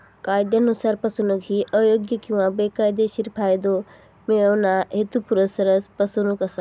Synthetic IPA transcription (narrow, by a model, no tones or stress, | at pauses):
kaːjd̪janusaːɾpɐsunukɦiʔəːjoːɡjəkjuʋãbeːkaːjd̪eʃiɾpʰaːjd̪o | mẽonaɦet̪upuɾəsɐɾəspɐsunukɐsa